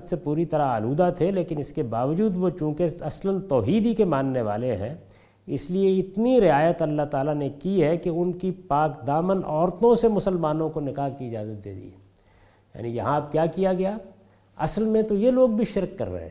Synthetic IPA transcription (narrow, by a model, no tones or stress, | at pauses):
t̪sepuːɾit̪ɐɾaa̰ːluːd̪at̪ʰeleːkɪnɪskebaːʋəd͡ʒuːd̪ʋot͡ʃũːkeɐslənt̪ɔːɦiːd̪ikemãːnːeʋa̰ːleɦɛ̃ | ɪslieɪt̪niɾɪaːjət̪ɐlːaɦt̪aːlanekiɦɛkeʊnkipaːkd̪aːmənɔːɾt̪õsemʊsəlmaːnõkonɪkaːɦkiɪd͡ʒaːzət̪̚d̪ḛːd̪ḭɛː | ja̰ːnijɐɦãb̚kjaːkijaɡɐja | ɐ̰səlmẽt̪ojeloːɡ̚bʱiʃɪɾkːɐ̰ɾːɐ̰ɦḛ̃